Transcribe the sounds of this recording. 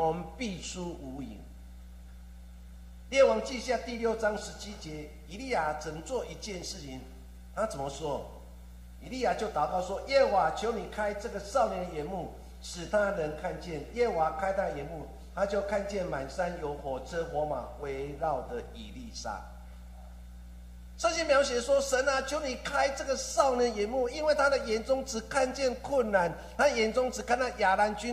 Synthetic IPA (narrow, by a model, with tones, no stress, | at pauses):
ŋpi˥˨sʰu˦u˧˦ḭ˨˩ŋ | ljɛ˥˨wɑ˧˦ŋt͡ɕi˥˧ɕja˥˧t̪i˥˨˧ljo˥˨ʊt͡sɑ˦ŋʂɻ̩˧˦t͡ɕʰi˦˥t͡ɕjɛ˧˦ | i˨li˥˩ja˨˩t͡sə˨˩mə˨˦t͡swɔ˥˨i˧˥t͡ɕjɛ˥˧nʂɻ̩˥˩t͡ɕʰi˨ŋ | t̪ʰa˦t͡sə˨˩nmə˨swɔ˦ | i˨li˥˩˨ja˨˩t͡ɕjo˥˩ʊt̪ɑ˨˩ʊkɑ˥˩ʊswɔ˥˦ʔjɛ˥˩wa˨˩t͡ɕʰjo˧˦ʊni˨˩kʰa˦˥ɪt͡sɤ˥˩ɡə˨sɑ˥˨ʊljɛ˨˦ndə˨jɛ˨˦nmu˥˩ | ʂɻ̩˨˩t̪ʰa˦ɾə˧˦nkʰa˥˧nt͡ɕjɛ˥˨njɛ˥˩wa˨˩kʰa˥ɪt̪ʰa˦˥d̪ə˨˩jɛ˨˦nmu˥˩ | t̪ʰa˦t͡ɕjo˥˧ʊkʰa˥˧nt͡ɕjɛ˥˨nma˨˩nsa˦njo˧˦ʊxwɔ˨t͡sʰɤ˦xwɔ˨˦ma̰˨˩we˧˦ɪɻɑ˥˩ʊd̪ə˨˩ḭ˨˩li˥˨sa̰˥˩ | t͡sə˥˧ɕɛ˥mjɑ˧˥ʊɕ̬jɛ˨˩swɔ˦ʂə˧˦na˨t͡ɕʰjo˧˦˥ʊni˨˩kʰa˦˥ɪt͡sɤ˥˩ɡə˨sɑ˥˩ʊnjɛ˨˦njɛ˨˦nmu˥˩i˦nwe˥˩ɪt̪ʰa˦d̪ə˨jɛ˨˦nt͡sʊ˦ŋt͡s̩˨˩kʰa˥˧nt͡ɕjɛ˥˧nkʰwʊ˥˩nːa˨˦nt̪ʰa˦˥d̪ə˨jɛ˨˩nt͡sʊ˦ŋt͡sɻ̩˨˩kʰa˥˧nt̪a˥˩ja˨˩la˨˦nt͡ɕy˦